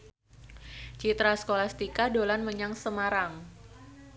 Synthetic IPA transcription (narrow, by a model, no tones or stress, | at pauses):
t͡ʃit̪ɾasə̥kolast̪ikadolanməɲaŋsəmaɾaŋ